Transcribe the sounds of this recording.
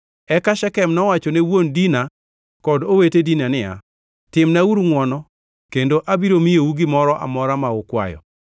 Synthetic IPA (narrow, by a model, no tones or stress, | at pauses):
ɛkaʃɛkɛmnɔwat͡ʃɔnewondina | kɔdowetedinanɪa̰ | tɪmnauɾŋwɔnɔ | kendoʔabiɾomijouɡɪmɔɾɔʔa̰mɔɾamaʊkwa̰jɔ̰